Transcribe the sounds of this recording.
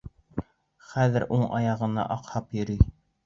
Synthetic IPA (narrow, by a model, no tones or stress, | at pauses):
χæðɘɾʔuɴʔɑ̰jɑʁɤ̆nɑ̰ʔɑqhɑpjɵ̆ɾyj